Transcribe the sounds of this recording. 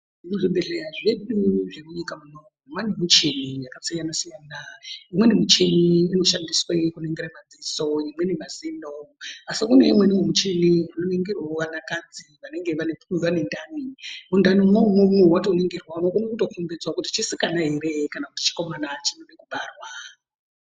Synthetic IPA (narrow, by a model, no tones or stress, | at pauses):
muʐiɓe̞ɮejaʐe̞ɗuʐe̞muɲikamuno | mwanemut͡ʃenijakasijanasijaːnaimwe̞nimut͡ʃe̞miino̞ʃandiswaikuneŋɡeɾamad͡ziso̞imwe̞nemazindoasikune̞̰imwenimemut͡ʃemianoneŋɡerwaoʋanakad͡ziʋane̞ŋɡe̞ʋaneʋane̞ndʱanimundanomomumwewatouneŋɡerwaunokunekutokumbed͡zwakutit͡ʃisikanaɦeɾe̞kanakuti̥t͡ʃi̥ko̞manat͡ʃinonekuɓarwa